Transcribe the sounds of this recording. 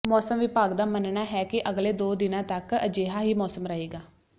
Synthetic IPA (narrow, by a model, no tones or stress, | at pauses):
mɔːsəmʋɪpaːɡd̪aːmənnaːɦɛːkɪʔəɡleːd̪oːd̪ɪnãːt̪əkəd͡ʒeːɦaːɦiːmɔːsəmɾəɦeːɡaː